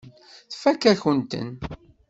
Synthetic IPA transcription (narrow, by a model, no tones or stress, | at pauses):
θfækːæçənt̪ə̰n